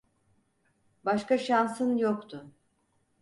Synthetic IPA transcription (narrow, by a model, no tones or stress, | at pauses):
baʃkaʃansɯnjokt̪ʰʊ